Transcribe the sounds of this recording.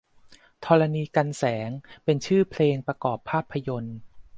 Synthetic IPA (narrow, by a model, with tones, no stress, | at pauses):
t̪ʰɔː˧ɾa˧niː˧ka˧nsɛː˩˦ŋpe˧nt͡ɕʰɯː˥˩pʰleː˧ŋpɾa˧kɔː˨˩pʰːaː˥˩pʰːa˧jo˧n